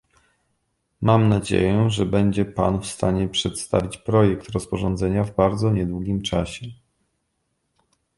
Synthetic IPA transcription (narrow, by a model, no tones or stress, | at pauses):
mamnad͡ʑḛjɛʐɛbɛɲd͡ʑɛpa̰nfst̪aɲɛpʂɛt̪st̪a̰vʲit͡ɕpɾɔjɛkt̪ɾɔspɔʐɔnd̪zɛɲavbaɾd̪zɔɲɛd̪wuɡʲimt͡ʂaɕɛ